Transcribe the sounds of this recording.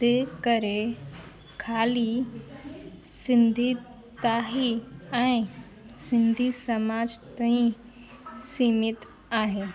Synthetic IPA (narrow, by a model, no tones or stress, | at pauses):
t̪eːkəɾe | kʰaːli | sɪ̃nd̪ʱi | t̪aːɦiɛ̃ĩ | sɪ̃nd̪ʱisəmaːd͡ʒt̪aĩ | siːmɪt̪ | aːɦeː